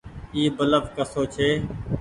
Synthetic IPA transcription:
iːbələfkəsoːt͡ʃʰeː

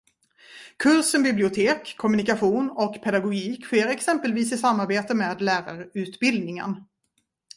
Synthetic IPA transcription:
kʰɵɾsənbɪblɪʊt̪ʰeːkʰːɔmɵnɪkaɧuːnɔkpʰɛd̪aɡʊɡiːkɧeːɾɛksɛmpəlviːsɪsamːaɾbeːt̪əmeːd̪læːɾa̰ɾʉ̟ːt̪bɪld̪nɪŋə̰n

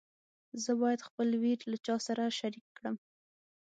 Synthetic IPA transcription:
zəbɑjad̪xpəlwiɾlat͡ʃɑsaɾaʃaɾikːɽəm

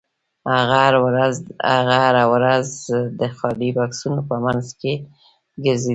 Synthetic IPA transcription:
aɣaɾɾaza̰ɣaaɾawɾazd̪əxɑɖibɑksunopəmanzke | ɡəɾze

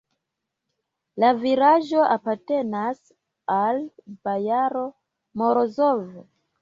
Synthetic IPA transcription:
laviɾaʒo̞ʔapaɾte̞nas | alb̥ajaɾo̞ | moɾozov

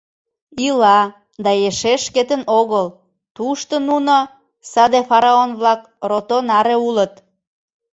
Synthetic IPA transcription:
ilɑ | d̪ɑeʃeʃket̪ənoɣəl | t̪uʃt̪ənuno | sɑd̪efɑɾɑonβlɑk | rot̪onɑɾeulət̪

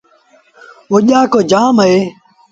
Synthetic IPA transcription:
oːʄaːkoːd͡ʒaːməeː

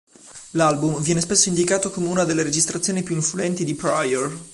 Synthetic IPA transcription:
lalbumvjɛːnespesːoind̪ikaːt̪okomeunad̪elːeɾed͡ʒist̪ɾat̪sjoːnipjuiɱfluɛnt̪id̪ipɾajor

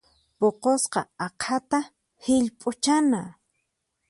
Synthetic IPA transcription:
poqosqɑ̰ɑqʰat̪a | hɪʎpʼʊt͡ʃana

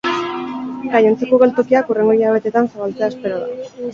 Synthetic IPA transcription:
ɡaje̞nt͡sakoɣe̞lt̪o̞kiakure̞ŋɡo̞iʎaβ̞e̞t̪e̞t̪ansaβalt͡seaespe̞ɾoða̰

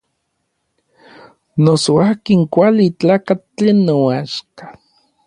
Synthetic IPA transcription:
nosoakiŋkʷalit͡ɬaːkat͡ɬenːoaʃkḁ

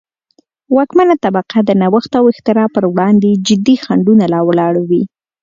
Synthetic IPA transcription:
wɑkmanat̪abaqad̪ənawəxt̪awɪxt̪ɪɾɑpəɾwɽɑnd̪ed͡ʒɪd̪ixaɳɖunalɑwlɑɽawi

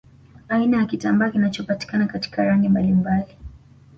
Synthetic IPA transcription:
ainajakitambaːkinat͡ʃɔpati̥kanakati̥kaɾaŋɡimbalimbali

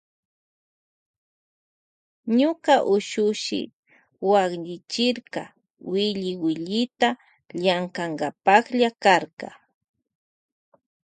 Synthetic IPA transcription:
ɲʊkaʔʊʃʊʃɪ̰ | wakʎɪt͡ʃɪɾkɑ | wɪʎɪwɪʎɪt̪a | ʎaŋkaŋɡapakʎakaɾkɑ

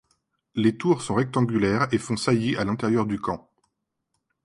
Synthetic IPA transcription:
let̪uʁsɔ̃ʁɛk̚t̪ɑ̃ɡʲylɛʁefɔ̃sajeʔalɛ̃t̪ɛʁjœʁd̪ykɑ̃

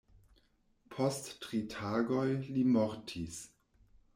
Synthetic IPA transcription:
pʰostːʁitʰaːɡojlimɔɾtʰis

